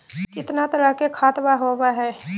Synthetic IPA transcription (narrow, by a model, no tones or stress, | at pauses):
kɪt̪nat̪ɐɾakekʰaːt̪baɦoːʋaɦɛː